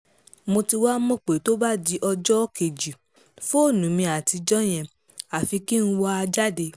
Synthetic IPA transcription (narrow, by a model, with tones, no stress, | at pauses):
mo˧ti˧wa˦mɔ̃˦˨k͡pe˨to˦ba˦˨di˧˦ʔɔ˧d͡ʒɔ˦ke˨d͡ʒi˨ | fo˦o˦˨nũ˨˦mĩ˧a˨ti˧d͡ʒɔ˦j̃ɛ̃˨ | a˨fi˧ki˦n̩˦wa˦a˧d͡ʒa˦de˧